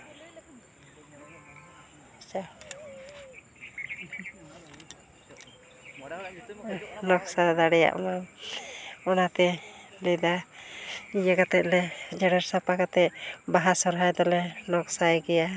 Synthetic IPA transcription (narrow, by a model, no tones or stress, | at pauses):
t͡ʃa | nɔksad̪aɽɛja̰ʔɔ̰mam | ɔnat̪ɛlɛd̪a | ijəkat̪ɛʔ̪̚lɛd͡ʒɛɽaɾsapakat̪ɛʔbaɦasɔɾɦajd̪ɔlɛnɔksajɡɛja